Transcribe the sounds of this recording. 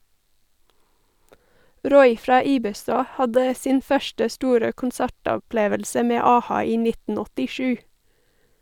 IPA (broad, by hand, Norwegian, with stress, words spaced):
ˈɾɔʏ ˈfɾɑː ˈiːbəˌstɑː ˈhɑdə ˈsiːn ˈfœʃʈə ˈstuːɾə kʊnˈsæʈɔˌpleːʋəlsə ˈmeː ˈɑːˌhɑː ˈiː ˈnɪtn̩ ɔtɪˈʃʉː